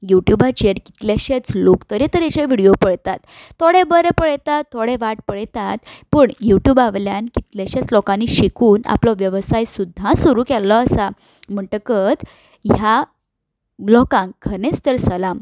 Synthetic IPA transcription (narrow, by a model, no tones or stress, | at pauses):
juʈjubat͡ɕeɾki̥t̪ljaɕet͡slokt̪əɾet̪əɾeɕeʋiɽijopəɽt̪at̪ʰːoɽebəɾepəɭt̪at̪ʰːoɽeʋaʈ̚pəɽt̪at̪pəɳjuʈjuːbaʋljankit̪ljaɕat͡slɔkãniɕikuːna̰plɔʋjəʋsajsud̪ʱːãsuɾuːkɛlːɔːsa | m̤əʈəkət̪ | ja | blɔkãŋkʰːənet͡st̪əɾsəlam